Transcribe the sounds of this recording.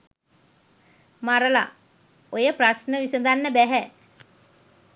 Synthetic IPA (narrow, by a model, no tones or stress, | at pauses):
maɾəla̰ | ojəprasnəʋisəd̪anːəbæɦæ